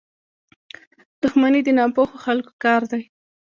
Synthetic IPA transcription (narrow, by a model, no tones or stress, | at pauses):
d̪̥ʊxmanid̪ənɑpoxoxalko̥kɑɾd̪aj